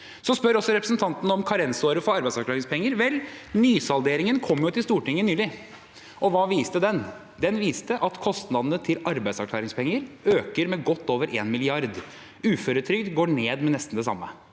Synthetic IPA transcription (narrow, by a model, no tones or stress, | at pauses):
sɔspœɾɔsːɔɾɛpɾəsnt̪ʰɑnt̪ənəɔmkʰɑɾɛnsoːɾəfɔɾɑɾbæɪsɑɾkʰlɑːɾɪŋspʰɛŋːəɾʋɛlnyːsɑlˠd̪eːɾɪŋənkʰɔmːjʊt̪ʰɪlst̪uːʈɪŋːənyːlɪ | ʔɔʋɑːʋiːst̪əd̪ɛn | d̪ɛnʋiːst̪əʔɑt̪kʰɔst̪nɑd̪ənət̪ʰɪlɑɾbæɪsɑkʰlɑːɾɪŋspʰɛŋːəɾøːkəɾmɛɡɔt̪ːoːʋəɾʔeːnmɪlɪɑɾd̪ | ʉːføːɾət̪ʰɾʏkd̪ɡoːɳeːd̪mɛnɛst̪nd̪ɛsɑ̰mːə